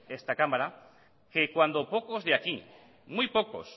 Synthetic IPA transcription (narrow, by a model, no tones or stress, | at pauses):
est̪akamaɾa | kekwand̪o̞po̞kozðeaki | mujpoko̞̰s